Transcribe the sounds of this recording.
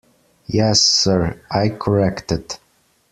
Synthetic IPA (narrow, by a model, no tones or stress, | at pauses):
jɛsːɜɹaɪkʰə˞ɛktɪd